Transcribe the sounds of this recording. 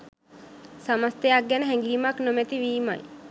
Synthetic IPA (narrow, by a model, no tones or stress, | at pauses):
səməst̪eaɡjanəɦɛŋɡiːmaknomet̪iʋiːma̰j